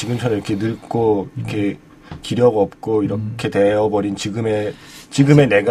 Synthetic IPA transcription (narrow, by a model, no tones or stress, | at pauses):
t͡ɕiɡɯmt͡ɕʰʌniɾʌkʰe̞nɯɭk͈oiɾʌkʰe̞ | kiɾjʌɡʌp̚k͈oiɾʌkʰe̞te̞ɦʌbʌɾint͡ɕiɡɯme | t͡ɕiɡɯme̞ne̞ɡ